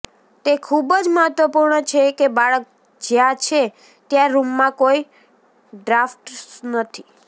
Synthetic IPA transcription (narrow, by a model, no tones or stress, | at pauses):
t̪ekʰubd͡ʒməɦət̪ʋəpuɾɳət͡ʃʰekebaɭək̚ | d͡ʒjãt͡ʃʰe | t̪jãɾumːãkoi | ɖɾafʈnət̪ʰi̥